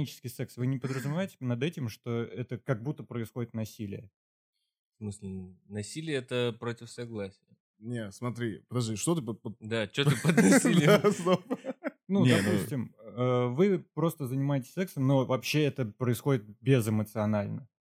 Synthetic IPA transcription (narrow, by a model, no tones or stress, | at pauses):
nʲit͡ɕɪ̥skʲɪjsɛksvɨnʲɪpəd̪ɾəzʊmʲɪvaɪtʲɪ̥nɐd̪ɛtʲɪmʂt̪o̞ɛt̪əkɐɡ̚but̪ːəpɾəɪsxo̞dʲɪt̪nɐsʲilʲɪ̰jə | smɨslʲɪnɐsʲilʲɪjəɛt̪əpɾotʲɪfsɐɡlˠasʲɪjə | nʲesmɐt̪ɾʲipəd̪ɐʐd̪iʂt̪ot̪ɨpəpəd̪at͡ɕot̪ɨpɐd̪d̪ʲasnoənud̪apusʲtʲɪməvɨpɾo̞st̪əzənʲɪmaɪtʲɪ̥sʲsɛksəmno̞vɐpɕːeɛt̪əpɾəɪsxo̞dʲɪt̪̚bʲɪzɨmət̪sɨɐnalʲnə